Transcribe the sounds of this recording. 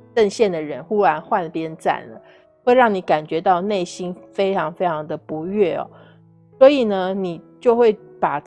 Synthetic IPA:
ə˥˧ŋɕjɛ˥˩nd̪ə˩ɻə˧˦nxu˥ɻa˧˥nxwa˥˧˩nə˨˩pjɛ˥nt͡sa̰˥˩nlə̰˩˦ | xwe˥˧ɪɻɑ˥˩ŋni˧˥ka˨˩nt͡ɕɥɛ˧˥t̪ɑ˥˧ʊne˥˩ɪɕi˥nfe˥ɪʈ͡ʂʰɑ˧˥ŋfe˥ɪʈ͡ʂʰɑ˧˥ŋd̪ə˨pu˧˥ɥɛ˥˩ɔ̰˨˩ | swɔ˧˥i˨˩nə˦ni˨˩t͡ɕjo˥˧ʊxwe˥˩ɪpa˨˩

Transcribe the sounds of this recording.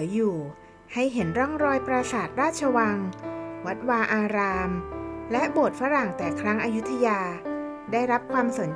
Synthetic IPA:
juː˨˩ | ha˥˩jɦe˩˦nɾɔ˥˩ŋɾɔː˧jpɾa˧saː˨˩t̪̚ɾaː˥˩t̪̚t͡ɕʰa˧wa˧ŋwa˦˥t̪̚waː˧ʔaː˧ɾaː˧mlɛ˦˥ʔbo˨˩t̪̚fa˦˥ɾa˨˩ŋt̪ɛː˨˩kʰɾa˦˥ŋʔaː˧ju˦˥t̪ʰːa˧jaː˧daː˥˩jɾa˦˥p̚kʰwaː˧mso˨˩˦n

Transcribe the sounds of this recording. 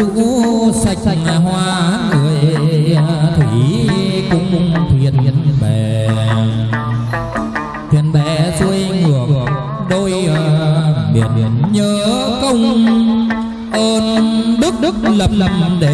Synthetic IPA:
ṵ˧˥sa˨˩jk̚jɲaː˨˩ɦwaː˧a˦nŋɨ˨˩əj | t̪ʰi˧˩kʊ̰˧˥ŋ͡mŋ͡mt̪ʰwḭ˧˨ənə˨nɓɛ˨˩˨ | t̪ʰwḭ˧˨ənɓɛ˧˨˩su˧əjŋɨ˨˩ək̚ | ɗo˧jə˧ɓḭ˨˩ənɲəː˨˦kə˧wŋ͡m | ʔəː˧nɗɨ˦˥ək̚ɗɨ˦˥ək̚lə˨˩p̚lə˨˩m̚ɗe˧˩

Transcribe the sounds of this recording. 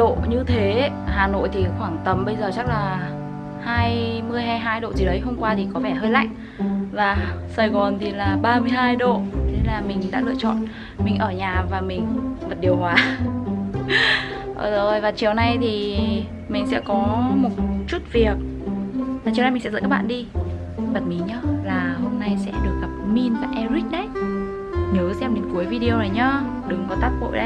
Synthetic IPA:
ɗo̰˧˨ɲɨ˧t̪ʰe˨˦ | haː˨˩no̰˧˨jt̪ʰi˨˩xwaː˧˩ŋt̪ə˨˩mɓə˧jzəː˨˩t͡ɕa˦˥k̚laː˨˩ | haː˧jmɨ˧əjɦaː˧jɦaː˧jɗo̰˧˨t͡ɕi˧˨˩ɗə˨˦jɦo˧mŋ͡mkwaː˧t̪ʰi˨˩kɔ˨˦vɛ˧˩ɦəː˧jla̰ː˧˨ŋ | vaː˨˩saː˧˩jɣɔ˨˩nt̪ʰi˨˩laː˨˩ɓaː˧mɨ˧əjɦaː˧jɗo̰˧˨ɗe˨˧˦laː˨˩mï˨˩ŋ̟ɗa̰ː˧˥lɨ̰˧ət͡ɕɔ̰˧˨n | mï˨˩ŋ̟ʔəː˧˩ɲaː˨˩vaː˨˩mï˨˩ŋ̟və˨˩t̚ɗi˨˩əhwaː˨˦ | ʔəː˨˩o˨˩jvaː˨˩t͡ɕi˨˩əwna˧jt̪ʰi˨˩ | mï˨˩ŋ̟sɛ̰˧˥kɔ˨˦mo˨˩t̚t͡ɕu˦˥t̚vi˨˩ək̚ | vaː˨˩t͡ɕi˨˧˨wa˧jmi˨˩ŋsɛ̰˧˥zə̰˧˥kːaː˦˥ɓa̰ː˧˨ɗi˧ | ɓə˨˩t̚mi˨˦ɲə˧˦laː˨˩ho˧mna˧jsɛ̰˧˥ɗɨ˨˩ək̚ɣa˨˩p̚mi˧nvaː˨˩ʔɛ˧zi˦˥ɗə˨˦j | ɲəː˨˦sɛ˧mɗe˨˦nku˨˦əjvi˧ɗi˧o˧wnaː˨˩jɲaː˧ | ɗɨ˨˦ŋkɔ˨˦t̪aː˦˥t̚ɓo̰˧˨jɗə˨˦

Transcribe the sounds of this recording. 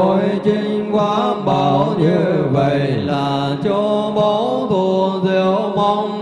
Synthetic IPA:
o˧˨jt͡ɕi˧ŋ̟kwaː˧˦ɓaː˨˩˦wwɲɨ˧və̰˧˨jlaː˨˩ | t͡ɕo˧ɓə˨˦wt̪u˧˩zi˧˨˦əwmɔ˧ŋ͡m

